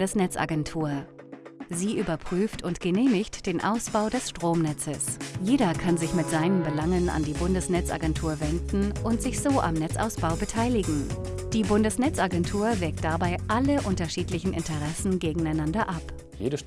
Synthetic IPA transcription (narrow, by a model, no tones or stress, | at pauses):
dəsnɛt͡sa̰ɡɛntʰuːɐ | ziːʔyːbɐpʁ̥yːftʰʊntɡ̥əneːmɪçtd̥eːnʔa̰ʊsb̥aʊdɛsʃtʁ̥oːmnɛt͡səsjeːdɐkʰanzɪçmɪtz̥aɪnəmbəlaŋəna̰ndiːbʊndəsnɛt͡sʔa̰ɡɛntʰuːɐvɛndn̩ʔʊntz̥ɪçz̥oːʔa̰mnɛt͡sʔa̰ʊsb̥aʊbətʰaɪlɪɡŋ̩ | d̥iːbʊndəsnɛt͡sʔaɡɛntʰuːɐvɛːk̚t̚d̥abaɪʔaləʔʊntɐʃiːtlɪçn̩ʔɪ̰ntəʁɛsn̩ɡeːɡŋ̩aɪnandɐʔap | jḛːə